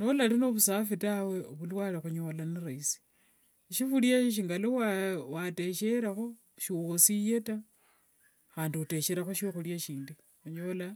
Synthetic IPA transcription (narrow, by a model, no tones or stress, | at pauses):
no̞lalinoβusafitawe̞oβulwalixuɲolaniɾaisi̥ | ʃifuljaʃ̬iŋɡalowawate̞ʃe̞ɾaxo̞ | ʃiɣosije̞ta | xaːndiute̞ʃeɾaxoʃoxuljaʃiːndi | xuɲola